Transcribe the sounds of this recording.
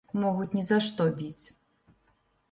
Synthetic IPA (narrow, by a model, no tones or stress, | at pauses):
mɔɣut͡sʲnʲizaʂt̪ɔbʲit͡sʲ